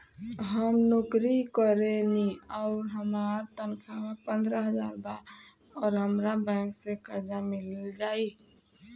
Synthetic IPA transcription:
ɦəmnokɾikəɾeniɔʊɾɦəmaːɾt̪ənkʰamepə̃nd̪ɾəɦəd͡ʒaːɾba | ɔːɾɦəmɾabɛ̃ːksekəɾd͡ʒamɪlld͡ʒaːi

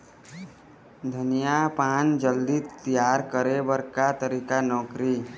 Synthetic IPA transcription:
d̪ʱənijapaːnd͡ʒəld̪it̪ijaːɾkəɾebəɾkat̪əɾikanɔːkɾi

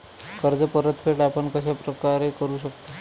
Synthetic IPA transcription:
kəɾd͡zəpəɾət̪pʰeʈapəɳkəɕ̬apɾəkaɾekəɾuːɕəkt̪a

